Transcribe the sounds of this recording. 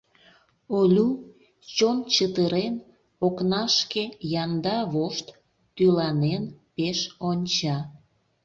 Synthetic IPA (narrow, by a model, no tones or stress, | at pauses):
olʲu | t͡ɕont͡ɕət̪əɾen | oknɑʃkejɑnd̪ɑβoʃt̪ː | ylɑnenpeʃonʲt͡ɕɑ